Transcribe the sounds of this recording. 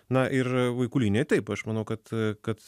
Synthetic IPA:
nɐʔɪrʋɐɪkuːlʲiːnʲejt̪ʲɛɪpɐʃmɐnɐʊkɐt̪kɐt̪

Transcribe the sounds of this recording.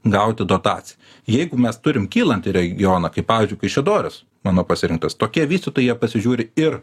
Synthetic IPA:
ɡɐʊt̪ʲɪd̪oːt̪ɑːt͡ssʲɪjɛ | jɛɪɡʊmʲɛst̪ʊɾʲɪmkʲiːlˠɐnʲt̪ʲɪɾʲɛɡʲɪjoːnɐkɐɪpɑːʋʲɪːzʲd͡ʒʊɪkɐɪʃʲʋʲɛd̪oːɾʲɛs | mɑːnoːpɐsʲɪɾʲɪŋk̚t̪ɐst̪oːkʲiɛʋʲiːsʲt̪ʲɪt̪oːjiɛpɐsʲɪʒʲuːɾʲɪɪr

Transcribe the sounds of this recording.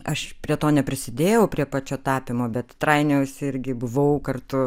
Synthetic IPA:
ɐʃpʲɾʲiɛt̪oːnʲɛpʲɾʲɪsʲɪd̪ʲeːjɛʊpʲɾʲiɛpɑːt͡ʃʲoːt̪ɑːpʲɪmoːbʲɛt̪t̪ɾɐɪnʲɛʊsɪɾʲɡʲɪbʊʋɐʊkɐrt̪ʊ

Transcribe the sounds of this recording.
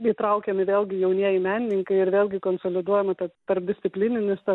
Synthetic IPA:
it̪ɾɐʊkʲɛmʲɪʋʲeːlʲɡʲɪjɛʊnʲiɛjɪmʲæːnʲɪnʲɪŋkɐɪɪɾʋʲeːlʲɡʲɪkoːnsoːlʲɪd̪uɔjɛmɐt̪ɐt̪ɐrp̚d̪ʲɪsʲtt͡s̪ʲɪpʲlʲinʲɪnʲɪst̪ɐ

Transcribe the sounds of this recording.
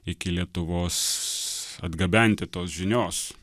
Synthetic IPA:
ɪkʲɪlʲiɛt̪ʊʋoːs | ɐ̰d̪ɡɐbʲɛnʲt̪ʲɪt̪oːsʒʲɪnʲoːs

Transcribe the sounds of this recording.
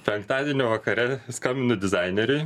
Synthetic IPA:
pʲɛŋkt̪ɑːd̪ʲiɛnʲoʋɐkɐɾʲɛskɑmʲɪnʊd̪ʲɪzɑɪnʲɛɾʲʊɪ

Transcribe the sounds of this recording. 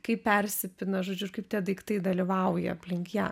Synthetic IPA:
kɐɪppʲɛrʲsʲɪpʲɪnɐʒoːd͡ʒʲʊɪɾkɐɪpt̪ʲɛd̪ɐɪkt̪ɐɪd̪ɐlʲiʋɐʊjɛ̰ɐpʲlʲɪŋkjɛ̰

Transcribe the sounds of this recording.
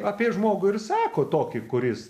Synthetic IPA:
ɐːpʲiɛʒmoːɡʊɪrsɑːkoːt̪oːkʲɪkʊɾʲɪs

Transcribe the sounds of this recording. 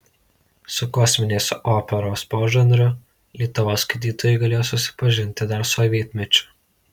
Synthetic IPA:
sʊkɔsʲmʲɪnʲeːsoːpʲɛɾoːspoːʒʲɛnd̪ɾʊ | lʲiɛt̪ʊʋoːskɐɪd̪ʲiːt̪oːjɛɪɡɐlʲeːjoːsʊsʲɪ̥pɐʒʲɪnʲt̪ʲɪd̪ɐɾsoːʋʲiɛt̪ʲmʲɛt͡ʃʲʊ̥

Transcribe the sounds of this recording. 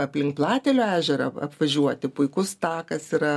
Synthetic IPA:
ɐpʲlʲɪŋk̚plˠɑːt̪ʲɛlʲoːæːʒʲɛɾɐɐ̰pʋɐʒʲuɔt̪ʲɪpʊɪkʊst̪ɑːkɐsiɾɐ

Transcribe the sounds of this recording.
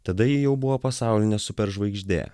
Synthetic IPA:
t̪ɐd̪ɐjɪjɛʊbʊʋoːpɐsɑˑʊlʲɪnʲɛsʊpʲɛɾʒʋɐɪɡʒʲd̪ʲḛː

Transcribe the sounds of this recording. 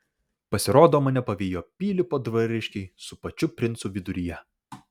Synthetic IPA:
pɐsʲɪɾoːd̪oːmɐnʲɛpɐʋʲiːjoːpʲiːlʲɪpoːd̪ʋɐɾʲɪʃʲkʲɛɪsʊpɐt͡ʃʲʊpʲɾʲɪnt̪suːʋʲɪd̪ʊɾʲɪjɛ

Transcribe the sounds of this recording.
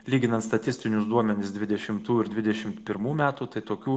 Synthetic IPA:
lʲiːɡʲɪnɐnt̪st̪ɐt̪ʲɪsʲt̪ʲɪnʲʊsd̪uɔmʲɛnʲɪsd̪ʲʋʲɪd̪ʲɛʃʲɪmt̪uːɪɾd̪ʲʋʲɪd̪ʲɛʃʲɪmt̪pʲɪɾmuːmʲæːt̪uːt̪ɐɪt̪oːkʲuː

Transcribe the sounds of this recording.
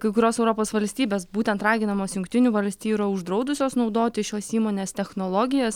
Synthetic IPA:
kɐɪkʊɾʲoːsɛʊɾoːpoːsʋɐlʲsʲt̪ʲiːbʲeːsbuːt̪ʲɛnt̪ɾɑːɡʲɪnɐmoːsjʊŋkt̪ʲɪnʲuːʋɐlʲsʲt̪ʲiːjɾɐʊʒd̪ɾɐʊd̪ʊsʲoːsnɒʊd̪oːt̪ʲɪʃʲoːsiːmoːnʲeːst̪ʲɛxnoːlˠoːɡʲɪjɛːs

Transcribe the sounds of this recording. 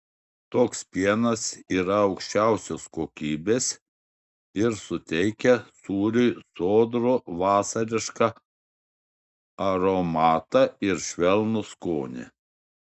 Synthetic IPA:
t̪oːkspʲiɛnɐsiːɾɐɒʊkʃʲt͡ʃʲæˑʊsʲoːskoːkʲiːbʲeːs | ɪɾsʊt̪ʲɛɪkʲɛsuːɾʲʊjsoːd̪ɾoːʋɑːsɐɾʲɪʃkɑ | ɐɾomɑːt̪ɑɪɾʃʲʋʲɛlˠnʊskoːnʲɪ̰

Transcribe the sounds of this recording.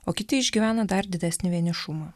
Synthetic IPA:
oːkʲɪt̪ʲɪɪʒʲɡʲiʋʲæːnɐd̪ɐɾd̪ʲɪd̪ʲæsʲnʲɪʋʲiɛnʲɪʃʊmɐ

